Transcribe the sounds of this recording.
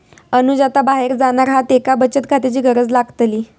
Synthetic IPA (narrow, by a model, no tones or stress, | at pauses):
ənud͡ʑat̪abaɦeɾd͡zanaɾɦat̪ekabət͡ɕət̪̚kʰat̪et͡ɕiːɡəɾəd͡zlaɡt̪liː